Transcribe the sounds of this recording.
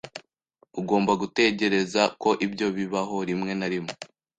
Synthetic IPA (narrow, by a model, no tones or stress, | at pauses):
uɡo̞ːmbaɡute̞ɟe̞ɾe̞zako̞ʔibɟo̞βiβaɦo̞ɾimŋe̞naɾimo